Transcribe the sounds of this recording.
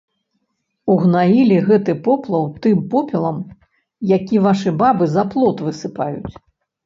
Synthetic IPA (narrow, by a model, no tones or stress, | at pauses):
uɣnajilʲiɣɛt̪ɨpɔplˠɐwt̪ɨmpɔpʲɛlˠɐm | jakʲivaʂɨbabɨzɐplˠɔt̪vɨsɨpajut͡sʲ